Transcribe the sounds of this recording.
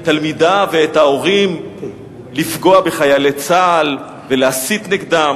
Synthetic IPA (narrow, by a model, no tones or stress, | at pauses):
t̪almid̪aveet̪haoʁim | lifɡo̞abe̞χajalet͡sal | ve̞leasit̪niɡd̪am